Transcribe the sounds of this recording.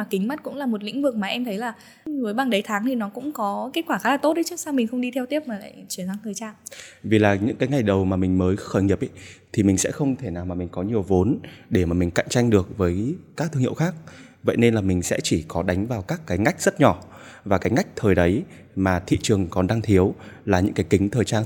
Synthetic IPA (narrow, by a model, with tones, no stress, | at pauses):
aː˨˩kï˨˦ŋ̟ma˦˥t̚kʊ̰˧˥ŋ͡mlaː˨˩mo˨˩t̬̚lḭ˧˥ŋ̟vɨ˨˩k̚maː˨˩ʔɛ˧mt̪ʰə˨˦jlaː˨˩ | vɨː˨˦jɓaː˨˩ŋɗə˨˦jt̪ʰaː˨˦ŋt̪ʰi˨˩nɔ˨˦kʊ̰˧˥ŋ͡mkɔ˨˦ke˦˥t̚kwaː˧˩xaː˨˦laː˨˩t̪o˦˥t̚ɗə˨˦t͡ɕɨ˦˥əksaː˧wmi˨˩ŋ̟xə˧wŋ͡mɗi˧ɛ˧wt̪i˦˥əp̚maː˨˩la̰ː˧˨jt͡ɕi˧˩ənzaː˧ŋəː˨˩jt͡ɕaː˧vi˨˩laː˨˩ɲɨ̰˧˥ŋkaː˨˦jŋa˨˩jɗə˨˩wmaː˨˩mï˨˩ŋ̟məː˨˦jxəː˧˩jɲi˨˩p̚ʔi˧˨˦t̪ʰi˨˩mï˨˩ŋ̟sɛ̰˧˥xə˧wŋ͡mt̪ʰe˧˩naː˨˩wmaː˨˩mï̟˨˩kɔ˨˦ɲi˨˩əwvo˨˦nɗe˧˩maː˨˩mi̟˨˩ka̰˧˨jŋ̟t͡ɕa˧jŋɗɨ˨˩ək̚vəː˨˦jkaː˦˥k̚t̪ʰɨ˧ŋḭ˧˨wxaː˦˥k̚ | və̰˧˨jne˧nlaː˨˩mï˨˩ŋ̟sɛ̰˧˥t͡ɕi˧˩kɔ˨˦ɗa˨˦jŋ̟vaː˨˩wkaː˦˥kːaː˨˦jŋa˦˥jk̟̚z̥ə˦˥t̚ɲɔ˧˩ | vaː˨˩kaː˨˦jŋa˦˥jk̚t̪ʰəː˨˩jɗə˨˦j | maː˨˩t̪ʰḭ˧˨t͡ɕɨ˨˩əŋkɔ˨˩nɗaː˧ŋt̪ʰi˨˦əwlaː˨˩ɲɨ̰˧˥ŋkaː˨˦jkï˨˦ŋt̪ʰəː˨˩jt͡ɕaː˧